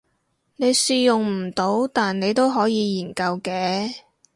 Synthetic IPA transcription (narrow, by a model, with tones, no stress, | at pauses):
ne˨˧jsiː˧jʊ˨˩ŋm̩˨˩t̪o˨˥wt̪aː˨nne˨˧jt̪o˥wɦɔː˨˥jiː˨˧jiː˨˩nkɐ˧wkɛː˨˧